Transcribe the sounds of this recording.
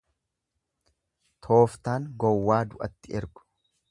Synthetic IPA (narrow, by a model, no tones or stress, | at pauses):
t̪ʰo̞ːft̪aːŋɡɔwːaːd̪ʊʔɐt̪ːɪɛɾɡʊ̥